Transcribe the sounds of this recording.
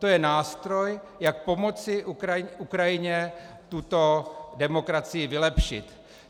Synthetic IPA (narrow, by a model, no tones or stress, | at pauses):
t̪o̞jɛnaːst̪ɾo̞j | jak̚po̞mo̞t͡sɪukɾajɪɲɛ | t̪ut̪o̞dɛmo̞kɾat͡sɪjɪvɪlɛpʃɪt̪